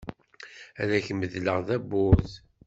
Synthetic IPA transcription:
æɾæçəməðləʁðæbːʊθ

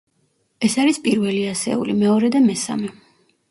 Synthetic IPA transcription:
ɛsaɾispʼiɾvɛliasɛ̰ṵlimɛɔɾɛd̪amɛsa̰mɛ

